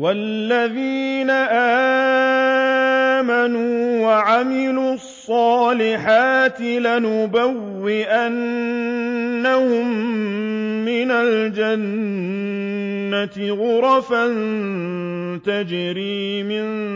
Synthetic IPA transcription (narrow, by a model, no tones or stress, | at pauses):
walːaðiːnaʔaː | manuːwaʕamɪluːɑsˤːɑːlɪħaːt̪ɪlanʊbawːɪʔan | ahʊmː | ɪnald͡ʒan | at̪ɪɣʊɾˤɑfan | t̪ad͡ʒɾiːmɪn